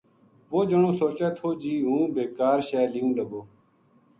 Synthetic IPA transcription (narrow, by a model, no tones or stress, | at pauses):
ʋoːd͡ʒəɳõːsoːt͡ʃɛːt̪ʰoːd͡ʒiːɦũːbeːkaːɾʃɛːliːũːləɡoː